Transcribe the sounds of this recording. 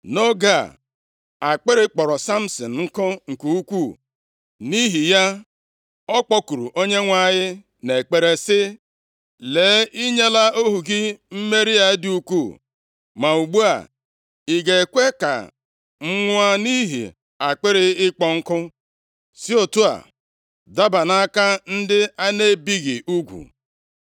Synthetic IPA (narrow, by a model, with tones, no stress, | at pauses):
no˦ɡa˦˨ | a˨k͡pe˦ɾɪ˦k͡pɔ˨ɾɔ˨sa˦m̩˨sɔ˨n̩˨ŋ̩˦kʊ˦ŋ̩˨ku˨u˦kʷu˦˨ | ni˦ɦi˨ja˦ | ɔ˦k͡pɔ˦ku˨ɾṵ˨ʔo˦ɲe˦ŋʷa˦˨ɲɪ˦ | ne˨k͡pe˨ɾe˨sɪ˦ | le˨˦i˦ɲe˦la˦o˦ɦu˨ɡɪ˦m̩˦me˦ɾi˦a˦dɪ˨u˦kʷu˦˨ | ma˨u˨ɡ͡bu˦a̰˨ | i˨ɡe˨kʷe˦ka̰˨ | ŋ͡m̩˦ŋʷ˦a˦ni˦ɦḭ˨ | a˨k͡pɪ˦ɾɪ˦ɪ˦k͡pɔ˦ŋ̩˦kʊ˦ | si˦o˨tu˦a̰˨ | da˦ba˨na˦ka˦n̩˦dɪ˦a˦ne˦bi˦ɣɪ˨ʔu˦ɡʷṵ˨